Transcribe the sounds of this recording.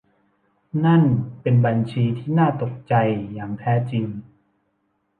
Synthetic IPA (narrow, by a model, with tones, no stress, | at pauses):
na˥˩npe˧nba˧nt͡ɕʰiː˧t̪ʰiː˥˩naː˥˩t̪o˨˩k̚t͡ɕa˧jːaː˨˩ŋt̪ʰɛː˦˥t͡ɕi˧ŋ